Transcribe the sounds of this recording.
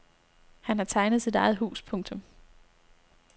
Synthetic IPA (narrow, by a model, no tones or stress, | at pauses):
hænhɑ̈t͡sʰɑ̈ɪnð̞̩ˠsid̥ɑ̈ɪð̩ˠɦṵːspʰɔ̽ŋt͡sʰɔ̽m